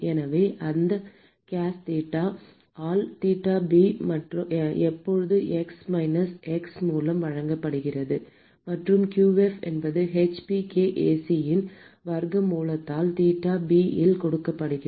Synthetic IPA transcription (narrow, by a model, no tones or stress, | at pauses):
ɛnɐʋeːʔɐnd̪ɐ | kaːst̪iːʈːaː | aːlt̪iːʈːaːbiːmɐʈrɯɛpːɔɻɯðɯʔɛksmɐɪnɐsɛksmuːlɐmʋɐɻɐŋɡɐpːɐɽɯɣɪrɐðɯ | mɐʈrɯmkjuːɛfɛ̰nbɐðɯɦɛt͡ʃpikeːʔeːsijɪn | ʋɐɾɣɐmuːlɐt̪ːaːlt̪iːʈːaːbiːɪlkɔɽɯkːɐpːɐɽɯɣɪ